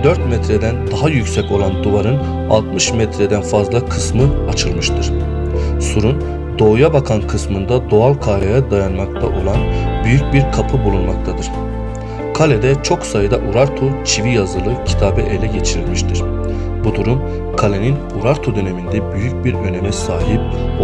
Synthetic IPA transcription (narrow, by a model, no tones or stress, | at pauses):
d̪øɾt̪mɛt̪ɾed̪ænd̪aɦajycʲsɛco̞lˠand̪uvaɾɯn | a̰lˠt̪mɯʃmɛt̪ʰɾed̪ænfazlˠakʰɯsmɯat͡ʃʰɯlˠmɯʃt̪ʰɯɾ̥ | suɾun | d̪o̞ːjabakʰankʰɯsmɯnd̪ad̪o̞alˠkʰaːɾajad̪ajanmak̚t̪ʰaʔo̞lˠanbyjyc̚biɾkʰapʰɯbulˠunmak̚t̪ʰad̪ɯɾ̥ | kʰalʲed̪ɛt͡ʃʰo̞ksajɯd̪aʔuɾaɾt̪ʰut͡ʃʰivijazɯlˠɯcʰi̥t̪ʰaːbɛʔe̞lʲɛɟe̞t͡ʃʰiɾilʲmiʃt̪ʰiɾ̥ | bud̪uɾum | kʰalʲenin | uɾaɾt̪ʰud̪ø̞ne̞mind̪ɛbyjycbiɾø̞nemɛsaːɦip̚